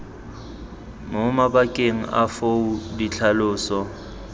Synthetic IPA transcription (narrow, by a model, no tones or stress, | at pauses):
mʊmabakʼeŋ̩a̰foudit͡ɬʰalʊːsɔ